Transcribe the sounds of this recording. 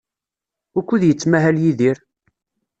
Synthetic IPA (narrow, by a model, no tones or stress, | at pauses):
ʊɾkʷːuðjət͡sːmæɦæljiðiɾ